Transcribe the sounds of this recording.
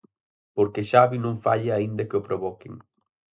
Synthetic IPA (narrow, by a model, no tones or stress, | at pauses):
poɾkeʃaβinõŋfaʎaaind̪ɐkeopɾoβɔkeŋ